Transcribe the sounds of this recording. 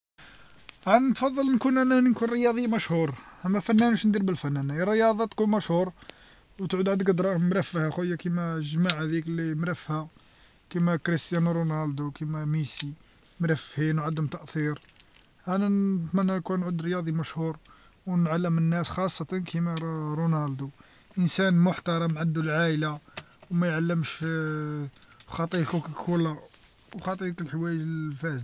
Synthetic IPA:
ʔanænt̪fɑd̪ˤːɑlnkunʔænænkunɾəjɑd̪ˤijːmæʃhuɾˤʔæmːæfænːænbæʃnd̪iɾbəlfænːænærːəjɑd̪ˤɑt̪kunmæʃhuɾˤ | wt̪ʕud̪ʕad̪ɡəd̪ɾˤɑmɾæfːəhæxujːakimæʒmaʕæd̪iklimɾæfːhæ | kimækɾist̪jænɾunɑld̪ukimæmisi | mɾæfhinwʕad̪ːəmt̪ɑʔt̪iɾ | ʕænænt̪mænːænkunʕʊd̪ɾjɑd̪ˤimæʃhuɾ | wnʕalːəmənːæsxɑsˤːɑt̪ˤɑnkʰimæɾunɑld̪u | ʔənsænmʊħt̪ɑɾˤɑmʕand̪ːulʕaʔla | wmæjʕalːəmʃ | xɑt̪ˤikukkʰulːa | wxɑt̪ˤikəlħwæjəʒəlfæz

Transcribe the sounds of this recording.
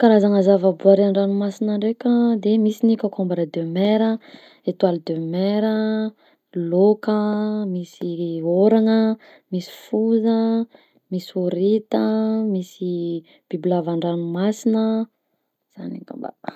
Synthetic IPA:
kaɾazaŋəzavabuaɾiaɳɖ͡ʐanumasinaɳɖ͡ʐekʲəd̪emisinikʲakombaɾəd̪ømeɾə | et̪walid̪ømeɾə | lokəmisioɾaŋə | misi̥fuzə | misuɾit̪əmisi | b̥iblavaɳɖ͡ʐanumasinə | z̥a̰nḭka̰mba̰

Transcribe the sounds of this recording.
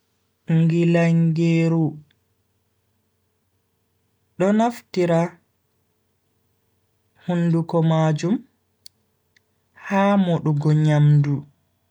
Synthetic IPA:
ŋɡilaŋɡeːɾu | ɗɔnaftiɾa | hundukɔmaːd͡ʒum | haːmɔɗɔɡɔɲamdu

